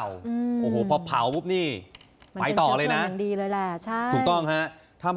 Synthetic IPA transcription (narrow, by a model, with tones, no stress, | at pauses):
wɯ˧ʔoː˧˩hoː˨˩˦pʰɔː˧pʰa˩˦wpu˦˥p̚niː˥˩ | m˧pa˧jt̪ɔː˨˧˩lɤː˧na˦˥ʔŋdiː˧lɤː˧jlɛ˧˩t͡ɕʰa˥˩uː˨˩kt̪ɔ˥˩ŋɦa˦˥ | t̪ʰa˥˩m